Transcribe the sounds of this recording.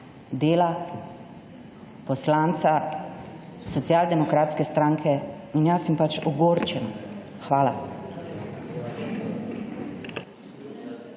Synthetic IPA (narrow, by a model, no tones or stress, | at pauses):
d̪eːla | pɔslaːnt̪sa | sɔt̪sjaːld̪ɛmɔkɾaːt̪skɛst̪ɾaːŋkʰɛ | injasɛmpat͡ʃɔɡoːɾt͡ʃɛn | xʋaːla